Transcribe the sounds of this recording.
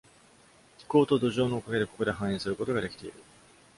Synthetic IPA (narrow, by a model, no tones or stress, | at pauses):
kʲi̥ko̞ːt̪o̞d̪o̞ʑo̞ːnoːkaɡe̞d̪eko̞ko̞d̪e̞ɦãɰ̃ĩːsɨɾɯ̟ko̞t̪o̞ɡad̪e̞kʲi̥t̪e̞ḭɾɯ̟